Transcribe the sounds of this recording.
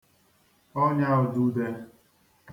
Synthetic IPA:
ɔ˦ɲa˦ʊ˨du˦de˦

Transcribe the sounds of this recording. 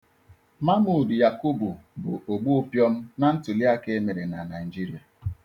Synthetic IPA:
ma˦mʊ˨dʊ˨ja˨ku˦bu˨bʊ˨o˨ɡ͡bu˦pjɔ˦m̩˦na˦n̩˦tʊ˨li˦a˦ke˦me˨ɾe˨na˨na˨ɪ˨d͡ʒi˦ɾi˨a˨

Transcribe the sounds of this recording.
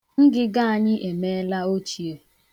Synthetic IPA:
ŋ̩˦ɡɪ˦ɡa˦a˨ɲɪ˦ʔe˨me˦la˦o˦t͡ʃi˨o˨

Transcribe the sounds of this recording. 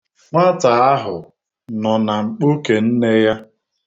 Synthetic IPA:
ŋʷa˦ta˨a˦ɦʊ˨ | nɔ˨na˨ŋ͡m̩˨k͡po˦ke˨n̩˦ne˦ja˦

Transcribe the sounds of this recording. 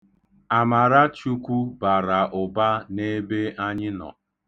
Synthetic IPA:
a˨ma˨ɾa˦t͡ʃu˦kʷu˦ba˨ɾa˨ʔʊ˨ba˦ne˦be˦a˦ɲɪ˦nɔ̰˨

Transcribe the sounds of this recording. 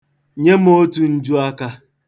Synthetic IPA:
ɲe˦m˦o˦tu˨n̩˦d͡ʒu˦a˦ka˦

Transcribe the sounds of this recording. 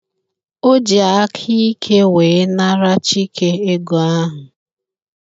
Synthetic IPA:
o˦d͡ʒi˨a˨a˦kʰi˦i˦kʰe˦weː˨˦na˦ɾa˦t͡ʃi˦kʰe˦e˦ɡo˨a˦ɦʊ˨

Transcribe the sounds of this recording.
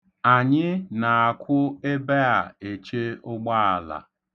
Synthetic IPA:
a˨ɲɪ˦na˨a˨kʷʰʊ˦e˦be˦a˨e˨t͡ʃe˦ʊ˦ɡ͡ba˦a˨la̰˨

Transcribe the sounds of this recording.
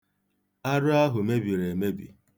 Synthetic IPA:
a˦ɾʊ˦a˦ɦʊ˨me˦bi˨ɾe˨me˦bḭ˨

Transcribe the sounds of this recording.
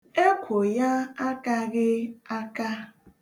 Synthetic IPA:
e˦kʷʰo˨ja˦a˦ka˦ɣɪ˦a˦ka˦

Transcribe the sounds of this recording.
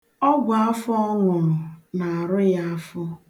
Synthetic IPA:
ɔ˦ɡʷa˨a˦fɔ˦ŋʊ˨nʊ˨na˨a˨ɾʊ˦ja˦a˦fʊ˦

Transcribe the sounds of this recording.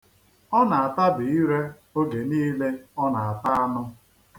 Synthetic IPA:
ɔ˦na˨a˨ta˦dʊ˨i˦ɾe˦ | o˦ɡe˨niː˦le˦ɔ˦na˨a˨ta˦a˦nʊ˦

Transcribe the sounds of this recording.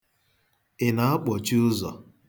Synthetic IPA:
ɪ˨na˨˦a˦k͡pɔ˨t͡ʃi˦ʊ˦zɔ˨

